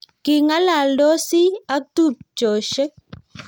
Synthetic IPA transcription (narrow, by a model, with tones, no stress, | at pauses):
kɪ˨ŋa˦la˨lɔ˦si˦a˦tu˦˨p̚t͡ʃɔ˨ʃɛ˦